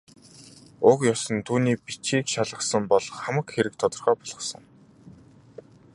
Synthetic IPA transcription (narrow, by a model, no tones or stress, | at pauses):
ʊkjɔsɞ̆nt̪ʰuːniːpit͡ɕiːkʃaɮʁə̆sə̆mpɔɮɞ̆χχæmə̆kxeɾɘ̆k̚t̪ʰɔt̪ɞ̆rχœːpɔɮ̥ʁɞ̆χsə̆ŋ